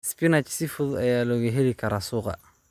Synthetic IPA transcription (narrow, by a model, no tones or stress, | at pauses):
spinat͡ʃsifʊðuajaːlɔɣeɦɛlikʰɐɾasʊɣa̰